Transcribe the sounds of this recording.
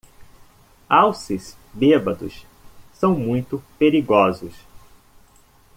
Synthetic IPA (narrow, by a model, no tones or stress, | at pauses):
awsis | bebɐd̪ʊ̰s | sɐ̃w̃mũj̃t̪ʊpeɾiɡɔzʊs